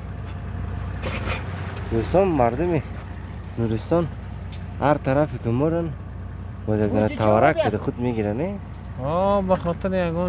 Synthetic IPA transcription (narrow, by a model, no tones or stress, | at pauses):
d̪ust̪ɔmːaɾd̪umi | nuɾist̪ɔn | haɾt̪ʰaɾafikumoɾan | bɔzjaɡɡɔnat̪ʰavaɾakkad̪aχud̪meɡiɾane | ɔbaχɔt̪ʰiɾijaɡɔ